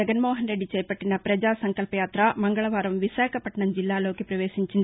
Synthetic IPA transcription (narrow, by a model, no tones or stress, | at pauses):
ɐɡɐnmoːɦɐnɾeɖːit͡ʃɛjpɐʈːinɐpɾɐd͡ʒaːsɐŋkɐlpɐjaːt̪ɾɐmɐŋɡɐɭɐʋaːɾɐmʋiʃaːkʰɐpɐʈɳɐmd͡ʒilːaːloːkipɾɐʋeːʃiɲt͡ʃind̪